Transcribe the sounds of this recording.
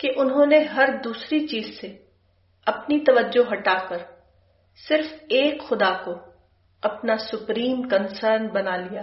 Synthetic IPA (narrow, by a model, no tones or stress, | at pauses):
keʔʊnɦõːneɦɐɾd̪uːsɾit͡ʃiːzse | ɐpnit̪ɐʋəd͡ʒːoɦɐʈaːkəɾ | sɪɾfeːkxʊd̪ako | ɐpnasʊpɾiːmkənsəːɾnbɐnalijaː